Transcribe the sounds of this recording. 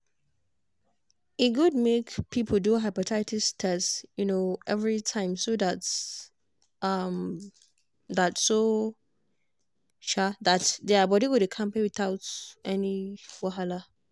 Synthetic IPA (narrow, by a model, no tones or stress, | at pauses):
iɡud̚mekpʰipʰəl̩duɦaɪpatʰaɪtistʰɛsjunoʔɛvɹitʰãɪ̃msodats | ʌm | datso | ʃadatdɛabɔdiwudekʰãmpẽwiθaʊtɛniwaɦala